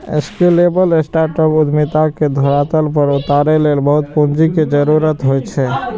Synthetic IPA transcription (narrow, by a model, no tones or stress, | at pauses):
ḛskelebəlesʈaɾʈəpud̪mit̪aked̪ʱoɾat̪əlpəɾut̪aɾelelbəɦut̪̚põnd͡ʒiked͡ʒəɾuɾət̪ɦojt͡ʃʰɛ